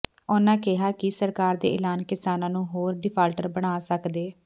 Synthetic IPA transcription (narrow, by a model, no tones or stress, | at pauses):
ʊnãːkɪɦaːkɪsəɾkaːɾd̪ḛːʔɪlaːnkɪsaːnãːnũːɦoːɾɖɪpʰaːlʈəɾbəɽ̃aːsəkd̪eː